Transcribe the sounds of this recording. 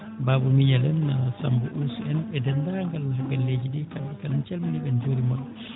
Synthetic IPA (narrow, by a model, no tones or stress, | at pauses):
babumiɲalɛnːasambuʔulsuɛnɓɛdɛndaŋɡalhabɛlːed͡ʒidikalɛkalint͡ʃɛlmaniɓɛnd͡ʒoːɾimɔlːɔ